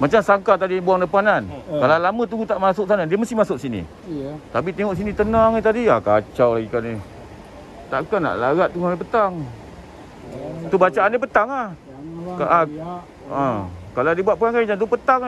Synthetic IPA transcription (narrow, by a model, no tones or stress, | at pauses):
mat͡ʃamsaŋkat̪adibuaŋdəpanankalalamət̪̬uɡut̪aʔmasʊk̚sanadiəməst̪ihmasʊk̚sinḭ | t̪ap̬it̪eŋɔʔs̬init̪ənaŋit̪̬adiakat͡ʃawlaɡikani | t̪aʔkana̰ʔlaɣaʔ̚t̪uŋaepət̪aŋ | t̪ubat͡ʃaʔandepət̪aŋah | kaʔa | əkaladibuat̪ʔ̚pəkaŋkad͡ʒant̪̬upət̪aŋ